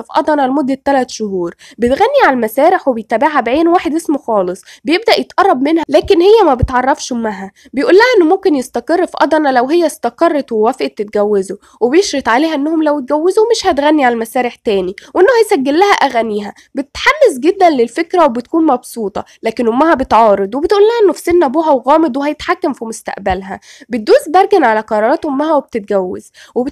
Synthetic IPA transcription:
fʔɑ̰d̪ˤɑnɑlmod̪ːæt̪ːælæt̪ʃohuːɾˤ | bet̪ɣænːiʕalælmæsæːɾeħwebejt̪æːbeʕhæbʕeːnwaːħed̪ʔesmoxɑːlesˤbejeb̚d̪æʔjet̪ʔɑrˤːɑb̚menhælæːkenhejːæmæbet̪ʕɑrˤːɑfʃmæɦæ | bejʔuːlːæhæʔenːomomkenjest̪æqerˤːfiʔɑ̰d̪ˤɑnɑlæwɦejːæst̪ɑqɑrˤːɑt̪wewæfʔet̪ːet̪̚ɡæwːezo | webjeʃɾet̪ʕaleːhæʔenːæhomlæwet̪̚ɡæwːezomeʃhæt̪ɣænːiʕalælmæsæːɾeħt̪æːniwʔenːohæjsæɡːelːæhæʔæɣæniːɦæ | bet̪t̪ħamːesɡed̪ːænlelfekɾæwebet̪̚kuːnmɑbsuːt̪ˤɑ̰ | læːkenhomːæhæbet̪ʕɑːɾˤed̪ˤwebet̪ʔuːlːæhæʔenːofi̥senːʔæbuːɦæwɣɑːmed̪ˤwehæjet̪ħakːæmfimost̪æ̰ʔbælɦæbet̪̚d̪uːzbæɾˤɡænʕalæqɑɾˤɑːɾˤɑːt̪homːæhæweb̚t̪et̪̚ɡæwːḛzweb

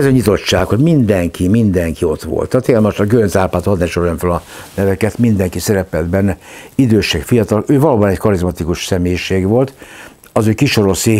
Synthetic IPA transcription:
ɛzɒɲit̪o̞t͡ʃːaːkho̞ɟmind̪ɛŋkʰimind̪ɛŋkio̞t̪ʋo̰lt̪ːɒt̪eːɛd̪moʃt̪ɒɡønzaːlpaːt̪hɒd̪nɛʃoɾjonfølɒnɛvɛkɛt̪mind̪ɛŋkisɛɾɛpɛld̪bɛnːɛid̪øːʃɛkfijɒt̪ɒløːvɒloːbɒnɛckɒɾizmɒt̪ikuʃsɛmeːjiʃeːɡʋo̞lt̪ | ɒzøːkiʃo̞ɾose

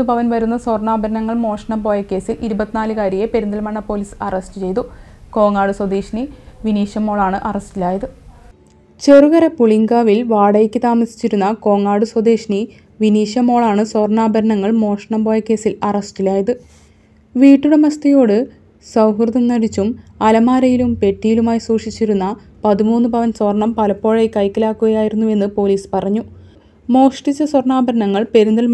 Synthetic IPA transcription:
nupɐʋɐnʋɐɾunːɐso̞rɳaːbʱɐɾɐnɐŋːɐɭmo̞ːʂɐɳɐmbo̞ːjɐkːe̞ːsilʔiɾubɐt̪ːinaːlɨkaːɾijepe̞ɾund̪ɐlmɐɳːɐpo̞ːliːsɐrɐsʈɨt͡ɕe̞jt̪u | ko̞ːŋaːɽuswɐd̪eːʂniʋiniːɕɐmo̞ːɭaːɳɨʔɐrɐstilaːjɐðɨ | t͡ɕe̞ruɣɐɾɐpuɭiŋɡaːʋilʋaːɽɐjɐkʲːɨt̪aːmɐsi̥t͡ɕːiɾunːɐko̞ːŋːaːɽuswɐd̪eːʂni | ʋiniːɕɐmo̞ːɭaːɳɨsworɳaːbɐɾɐnɐŋːɐɭmo̞ːʂɐɳɐmbo̞ːjɐkːe̞ːsilɐrɐsʈilaːjɐðɨ | ʋiːʈːuɽe̞mɐst̪ɐjo̞ːɽɨ | sɐwɦrɨðɐmnɐɽit͡ɕːumɐlɐmaːɾɐjilumpe̞ʈːijilumaːjisuːʂit͡ɕːiɾunːɐ | pɐðimuːnːɨbʱɐʋɐnsorɳɐmpɐlɐpːo̞ːɻejkɐjkːɐlaːkːuɣɐjaːjiɾunːue̞nːɨpo̞ːliːspɐrɐɲːu | mo̞ːʂʈit͡ɕːɐsworɳaːbɐɾɐɳɐŋːɐɭpe̞ɾund̪ɐl

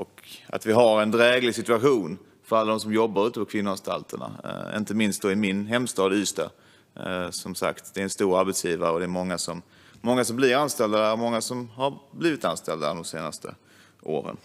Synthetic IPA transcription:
ʔɔka̰t̪vɪɦaɾɛnd̪ɾɛːɡlɪɡsɪt̪ɵaɧuːn | fœɾalːad̪ɔmsɔmjɔbːaɾʉːt̪əpɔkʰvɪnːʊanst̪ʰa̰lt̪ʰəɳa̰ɪ̰nt̪əmɪnst̪d̪ɔɪmɪnɦɛmst̪ɑːd̪yːst̪a̰ | sɔmsa̰kt̪d̪ɛæɾɛnst̪uːɾaɾbɛt̪sjiːvaɾəɔd̪ɛːɾmɔŋːasɔmː | ɔŋːasɔmblɪɾanst̪ɛld̪amɔŋːasɔmhaɾbliːvɪt̪anst̪ɛld̪a̰d̪ɔmseːna̰st̪ʰə̰ | ʔo̰ːɾə̰n

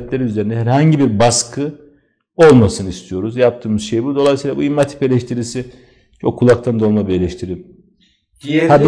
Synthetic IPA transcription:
t̪lʲe̞ɾiyze̞ɾind̪ɛɦɛɾhaɲɟibiɾbaskʰɯ | o̞lˠmasɯnɯist̪ʰijo̞ɾuzjap̚t̪ʰɯːmɯzʃe̞jibud̪o̞lˠajsiːlˠabuimːat̪ʰi̥pe̞lʲɛʃt̪ʰiɾisi | t͡ʃʰo̞kʰːulˠak̚t̪ʰand̪olˠmabielʲɛʃt̪ʰiɾim | ab

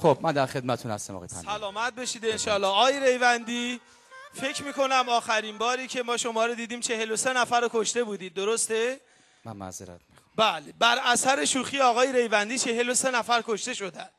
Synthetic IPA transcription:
xob̚mænd̪æɾxed̪̚mæt̪ʰunhæ̰st̪æmɒ̰ɒjeæ̰sælɒːmæt̪̚be̞ʃiːd̪e̞nʃɒːlɒːɒːjeɾe̞jvænd̪iː | fe̞cʰmiːko̞næmɒːxæɾiːnbɒːɾiːcʰe̞mɒːʃo̞mɒːɾod̪iːd̪iːmt͡ʃʰe̞he̞lose̞næfæɾokʰoʃt̪e̞buːd̪iːd̪̚ːoɾost̪e̞ | mænmæ̰zeɾæ̰t̪mixbæːlebæɾæsæɾe̞ʃuːxiːɒːɣɒːjeɾe̞jvænd̪iːt͡ʃʰe̞ɦelose̞næfæɾkʰoʃt̪e̞ʃo̞d̪ænd̥

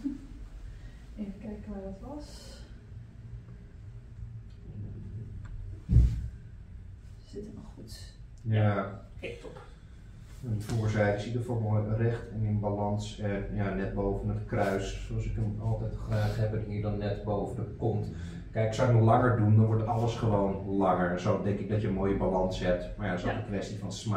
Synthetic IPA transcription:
ejfəkɛjkəʋaːdɔtʋɑs | sɪtəmχutja | t | əntfuːɹsɛjdəsidəfɔɹbɔlˠəərɛχtɪnənbalɑnsɛjaːnɛt̚bowvənətkrœɥssoɑlˠsɪkəmɑlˠtɛjtχraːχɦɛbənɦiːɹdɔnːɛtbowvənəkɔnt | kɛjksowɪknəlɑŋəɹdundɑnʋɔɹtɑləsχəʋownlɑŋəɹɛnsowdɛŋkɪɡ̚dɔtjənmoːjəbalɑnsɦɛp̚tmajaəsɔtəkʋɛstifɑnsma

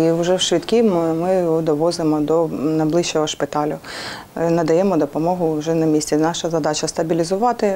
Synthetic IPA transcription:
iʊʒɛwʃʋʲit̪kʲimmɪd̪ɔʋɔzɪmɔd̪ɔnɐjblˠɪʃt͡ʃːɔɦɔʃpɪt̪ɑlʲʊ | nɐd̪ɐjɛmɔd̪ɔpɔmɔɦʊʒɛnɐmʲisʲtʲinɑʃɐzɐd̪ɑt͡ʃɐst̪ɐbʲilʲizʊʋɑt̪ɪ

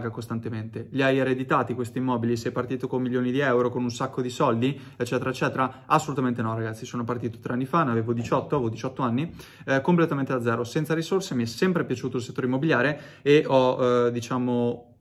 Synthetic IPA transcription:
kost̪ant̪ement̪eʎiajeɾed̪it̪aːt̪ikwest̪iːmːɔːbilisɛjpart̪iːt̪okommːiljoːnid̪iɛwɾokonunsakːod̪isɔld̪i | et͡ʃːɛːt̪eɾaet͡ʃːɛːt̪eɾaasːolut̪ament̪̬enɔraɡat̪sːisoːnopart̪iːt̪o̥t̪ɾeanːifanaveːvod̪it͡ʃɔt̪ːoaevod̪it͡ʃɔt̪ːoanːi | komplet̪ament̪edad̪zːɛːɾosɛnt̪saɾisorsemiɛsɛmpɾepjat͡ʃuːt̪olset̪ːoːɾimːobiljaːɾe | eʔɔd̪it͡ʃaːmo

